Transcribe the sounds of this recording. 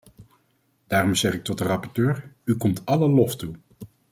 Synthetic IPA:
d̥aːɾɔmz̥ɛχɪk̚tɔt̚dərɑpɔɹtøːɹykɔmtɑləlɔftu

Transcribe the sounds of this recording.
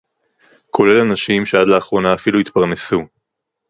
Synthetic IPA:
kʰo̞le̞lanaʃimʃead̪laːχʁo̞naːfiluit̪paʁne̞su

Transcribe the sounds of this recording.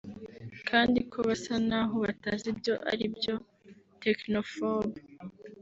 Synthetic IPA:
kʰaːndikʰo̞βasanaːɦoβatazibjo̞ʔa̰ɾibjo̞ | te̞knofobu

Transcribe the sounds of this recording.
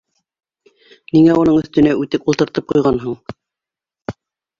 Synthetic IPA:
niŋæunɤɴɵ̆θt̪ɵ̆næʉt̪ɘpulˠt̪ɤ̆ɾt̪ɤp̚qujʁɑnɦoɴ

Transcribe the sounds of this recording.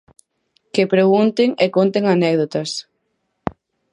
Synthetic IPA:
kɪpɾeɣunt̪ɪŋekont̪eŋanɛɣðot̪ɐs

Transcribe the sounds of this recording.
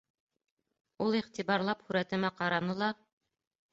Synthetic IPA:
ulˠiʁt̪ibɑɾlˠɑphʉɾæt̪ɘ̆mæqɑɾɑnɤlˠɑ

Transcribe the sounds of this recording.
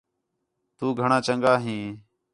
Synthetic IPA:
t̪uːɡʱəɳãːt͡ʃəŋɡaːɦĩː

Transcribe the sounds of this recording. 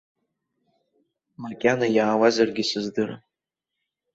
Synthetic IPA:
makʲʼanajaːwazarɡʲisɨzdɨra̰

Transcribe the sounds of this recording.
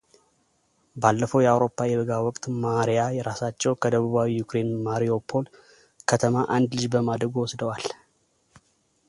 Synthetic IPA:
balːəfəwjɛawɾo̞pʰːajɛβəɡawɔkʼt̪maɾijajɛɾasat͡ʃːɛwkʰəd̪əβuβawijukɾe̞nmaɾio̞pʰːo̞l | kʰət̪ʰəmaʔand̪lɨd͡ʒbəmad̪ɾəɡuwɔsd̪əwal

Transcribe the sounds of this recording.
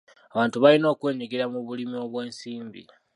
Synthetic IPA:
aβaːntuβalino̞ːkwe̞ːɲiɡiɾamuβulimio̞βwe̞ːnsiːmbḭ

